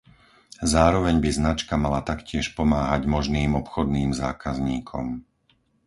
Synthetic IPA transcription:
zaːɾɔʋɛɲbiznat͡ʃkamalat̪akcɪɛʃpɔmaːɦaɟmɔʒniːmɔpxɔd̪niːmzaːkazɲiːkʰɔ̰m

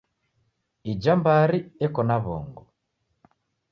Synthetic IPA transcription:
id͡ʒambaɾiɛkɔnaβɔ̰ŋɡɔ

